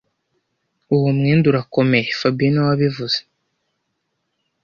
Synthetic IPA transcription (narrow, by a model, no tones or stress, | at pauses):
uwumŋiːnduɾako̞me̞jefabinawaβivuz̥e